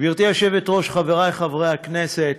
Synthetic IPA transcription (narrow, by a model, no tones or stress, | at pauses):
viʁt̪iaʃevet̪ʁo̞ʃχaveʁajχavʁejhakneset̪